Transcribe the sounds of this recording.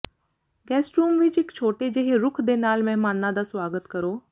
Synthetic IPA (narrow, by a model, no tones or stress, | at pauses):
ɡɛːsʈɾuːmʋɪt͡ʃɪkt͡ʃʰoːʈed͡ʒeɦeɾʊkʰd̪eːnaːlmɛ̃ːmaːnːãd̪aːswaːɡət̪kəɾoː